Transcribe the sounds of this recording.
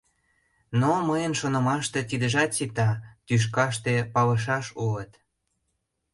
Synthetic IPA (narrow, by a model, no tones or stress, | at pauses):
noməjənʃonə̆mɑʃt̪ĕt̪id̪əʒɑt̪sit̪ɑt̪yʃ̬kɑʃt̪epɑlə̆ʃ̬ɑʃulət̪